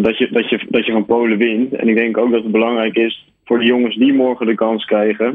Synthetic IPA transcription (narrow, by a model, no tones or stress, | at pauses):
dɑtjədɑtjədɑcjəvɑnpowləʋɪntɛ̰nɪɡ̚dɛŋkowk̚dɑtəd̚bəlɑŋrɛjkɪs | fʊːɹdəjʊŋəsdimɔɹχədəkɑnskrɛjχə